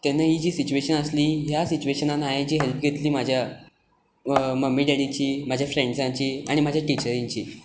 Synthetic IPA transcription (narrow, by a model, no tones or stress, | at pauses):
t̪anːajiːd͡ʑiːsit͡ɕueɕənəsliːɦjasit͡ɕueɕənanaɦed͡ʑiːɦelpɡʱet̪liːmad͡ʑʱja | məmːiːɖeɽit͡ɕiːmad͡ʑʱjafɾeɳɖd͡zãt͡ɕiːaɽ̃imad͡ʑʱjaʈit͡ɕəɾĩɲt͡ɕḭː